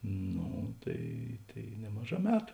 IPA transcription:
ˈnoː tɐɪ ˈtɐɪ ˈnʲæːmɐˌʒɑː ˈmʲæːtʊ

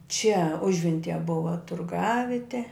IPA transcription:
t͡ʃʲɛ ˈʊʒʲʋʲɛnʲtʲɪjɛ ˈbʊʋɐ tʊrˈɡɑːʋʲɪtʲɛ

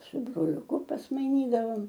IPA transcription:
sʊ broːlʲʊˈkʊ pɐsmɐɪˈnʲiːdɐʋoːm

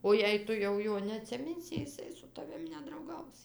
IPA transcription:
oː jɛɪ ˈtʊ jɛʊ ˈjoː nʲɛɐtʲsʲɪˈmʲɪnʲsʲɪ jɪˈsɐɪ sʊ tɐˈʋʲɪm nʲɛdrɐʊˈɡɐʊs

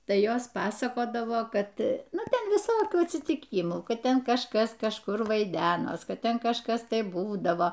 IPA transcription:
ˈtɐɪ ˈjoːs ˈpɑːsɐkoːdɐʋoː ˈkɐt ˈnʊ ˈtʲɛn ʋʲɪˈsoːkʲuː ɐtʲsʲiːtʲɪˈkʲiːmuː ˈkɐt ˈtʲɛn kɐʃˈkɐs kɐʃˈkʊr ʋɐɪˈdʲæːnoːs ˈkɐt ˈtʲɛn kɐʃˈkɐs ˈtɐɪ ˈbuːdɐʋoː

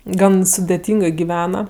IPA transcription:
ˈɡɐn sʊdʲɛˈtʲiːŋɡɜ ɡʲɪˈʋʲæːnɐ

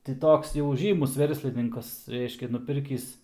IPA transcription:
tʲɪ ˈtoːks jɛʊ ˈʒʲiːmʊs ˈʋʲɛrʲsʲlʲɪnʲɪŋkɐs ˈrʲɛɪʃʲkʲɛ nʊˈpʲɪrʲkʲiːs

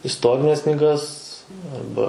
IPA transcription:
ɪsˈtoːrʲɪnʲɛs knʲiːˈɡɐs ɐrˈbɐ

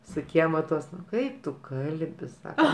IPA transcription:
sʊ ˈkʲiɛmɐ ˈtuɔs ˈkɐɪp tʊ ˈkɐlʲbʲɪ ˈsɑːkɐ

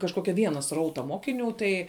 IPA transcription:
kɐʃˈkoːkʲɛ ˈʋʲiɛnɐ ˈsrɐʊtɐ ˈmoːkʲɪˌnʲuː tɐɪ

